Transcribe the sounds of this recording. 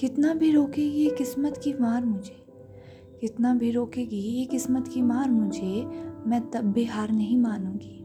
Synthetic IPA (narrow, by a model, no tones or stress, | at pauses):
kɪt̪nabʱiɾoːkeɡiekɪsmət̪kimaːɾmʊd͡ʒʱeː | kɪt̪nabʱiɾoːkeːɡijekɪsmət̪kimaːɾmʊd͡ʒʱemɛ̃ːt̪ɐbːeɦaːɾnɐɦĩmaːnũːɡiː